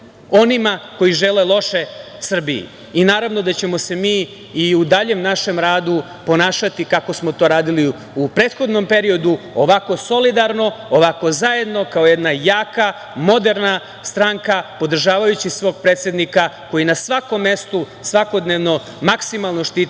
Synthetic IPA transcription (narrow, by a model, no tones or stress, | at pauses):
o̞nimako̞iʒelelˠo̞ʃe | sr̩biḭː | naːɾaʋno̞d̪at͡ɕe̞mo̞se̞miː | iud̪aʎemnaʃe̞mɾaːd̪u | po̞naːʃat̪ikako̞smot̪o̞ɾaːd̪ili | upɾe̞ːt̪xo̞d̪no̞mpe̞ɾio̞d̪uoʋako̞so̞lid̪aɾno̞oʋako̞zaje̞d̪no̞kao̞jed̪najaːka | mo̞d̪e̞ɾna | st̪ɾaŋkapo̞d̪r̩ʒaːʋajut͡ɕisʋo̞ːɡ̚pɾeːt̪sjed̪nikako̞jinasʋako̞mːe̞st̪u | sʋako̞d̪neʋno̞ | maksimalˠno̞ʃt̪iːt̪